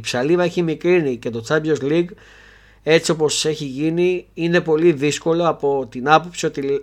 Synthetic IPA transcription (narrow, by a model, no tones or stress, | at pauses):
ipsɐlivɐe̞çimikɾinice̞t̪o̞t͡sɐbjozliɡ | e̞t͡sio̞po̞se̞çiʝiniine̞po̞liðisko̞lo̞ɐpo̞t̪inɐpo̞psio̞t̪i